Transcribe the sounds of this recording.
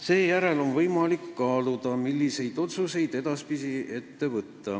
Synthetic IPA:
se̞ːjæɾe̞lo̞nvɤjmɑlikːɑːlud̪ɑmilːise̞jd̪̥o̞t̪suse̞jd̪e̞d̪̥ɑspisie̞t̪ːe̞vɤt̪ːɑ

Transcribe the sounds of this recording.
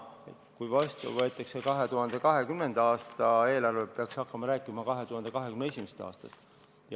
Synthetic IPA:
e̞̰t̪kujvɑst̪ɑ̰vɤe̞t̪ːˑɑkse̞kɑɦe̞t̪uɦɑnd̪̥e̞kɑɦe̞kymne̞nd̪̥ɑɑːst̪ɑe̞ːlɑrvepeɑksɑkːˑɑmɑɾæːkːˑimɑkɑɦe̞t̪uhɑnd̪e̞kɑɦe̞kymneesʲimest̪ɑ̰ːst̪ɑ̰st̪ | j

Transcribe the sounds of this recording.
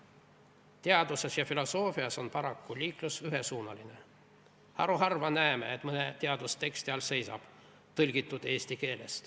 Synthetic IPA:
t̪e̞ɑd̪̥use̞sjɑfilo̞so̞ːfiɑso̞npɑɾɑkːulʲiːklusyɦesuːnɑline̞ | hɑ̰ɾuɦɑrvɑnæemḛet̪mɤnet̪eɑd̪̥ust̪e̞kst̪iɑlse̞jsɑ̰b̥ | t̪ɤlʲɡ̥it̪ːˑud̪̥e̞ːst̪ike̞ːle̞̰st̪

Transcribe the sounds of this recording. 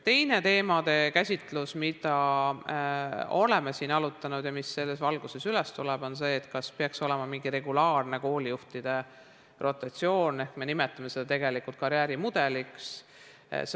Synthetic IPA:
t̪e̞jne̞t̪e̞ːmɑd̪̥e̞kæsʲit̪ˑlusmid̪̥ɑ | o̞le̞mesiːnɑlut̪ːˑɑnud̪̥jɑmisːe̞lːesvɑlɡ̥use̞sylest̪ulɛb̥o̞ns̬e̞ːt̪kɑspeɑkso̞lɛmɑmiŋɡire̞ɡulɑːrne̞ko̞ːlijuht̪id̪̥e̞ | rʔo̞t̪ːˑɑt̪sio̞ːne̞hkme̞nimet̪ːˑɑmese̞d̪̥ɑt̪e̞ɡ̥e̞likult̪̚kɑɾjæːɾimud̪̥e̞liks | s

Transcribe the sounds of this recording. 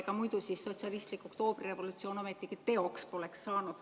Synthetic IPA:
kɑmujd̪̥usisːo̞t̪ʲsiɑlist̪likːˑo̞kt̪o̞ːb̥rire̞vo̞lut̪sio̞ːno̞met̪ːˑikit̪e̞o̞kspo̞leksːɑːnud̪̥

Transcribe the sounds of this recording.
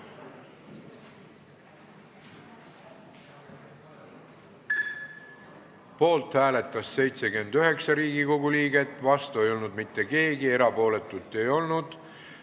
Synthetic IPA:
po̞ːlt̪hæːle̞t̪ːˑɑsːe̞jt̪se̞ɡyend̪yɦe̞ksɑɾiːɡiko̞ɡuliːɡe̞t̪ːˑvɑst̪ue̞jo̞lnud̪mit̪ːe̞ke̞ːɡie̞ɾɑpo̞ːle̞t̪ːˑut̪ːˑe̞jo̞lnud̪̥

